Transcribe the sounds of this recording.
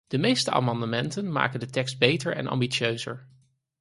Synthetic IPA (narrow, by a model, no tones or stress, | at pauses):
d̥əmejstəʔa̰ːmɑndəmɛntənma̰ːkəndətɛkst̚bejtəɹɛ̰nʔɑ̰mbit͡ʃøɥzə̰ɹ